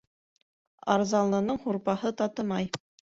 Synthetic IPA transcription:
ɑ̰ɾzɑlˠːɤ̆nɤɴhuɾpɑhɤt̪ɑt̪ɤ̆mɑj

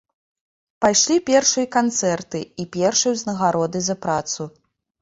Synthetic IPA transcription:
pajʂlʲipʲɛrʂɨjɐkant̪sɛrt̪ɨipʲɛrʂɨjɛwznɐɣaɾɔd̪ɨzɐpɾat̪su

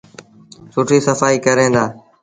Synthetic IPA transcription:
sʊʈʰiːsəfaːiːkəɾẽːnd̪aː

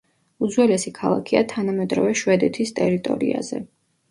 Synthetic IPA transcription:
uzwɛlɛsikʰalˠa̰kʰiat̪ʰanamɛd̪ɾɔvɛʃwɛd̪ɛt̪ʰist̪ʼɛɾit̪ʼɔ̰ɾḭa̰zɛ̰

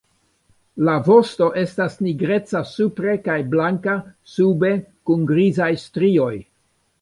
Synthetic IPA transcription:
lavo̞sto̞ʔe̞stasniɡɾe̞t͡sasupɾe̞kajblaŋkasube̞kunɡɾizajstɾio̞j

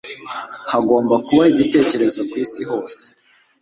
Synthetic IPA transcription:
haɡo̞ːmbakuβaiɟite̞ːce̞ɾe̞zokwiːsiho̞ːse̥

